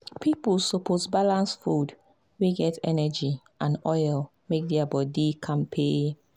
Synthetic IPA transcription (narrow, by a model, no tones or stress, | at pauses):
pʰiplsopʰozbalãnsfud | wiɡɛtʰɛnɛd͡ʒi | ʔãnɔɪl | mek̚dɛabɔdikʰãnpʰe